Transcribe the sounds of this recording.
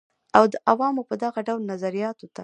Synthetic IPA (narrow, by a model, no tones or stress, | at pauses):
awd̪əʔawɑmopəd̪aɣaɖawlnazaɾijɑt̪ot̪a